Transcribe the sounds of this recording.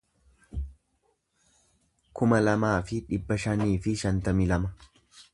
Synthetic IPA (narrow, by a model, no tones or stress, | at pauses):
kʊmɐlɐmaːfɪᶑɪbːɐʃɐniːfɪʃɐnt̪ɐmɪlɐmɐ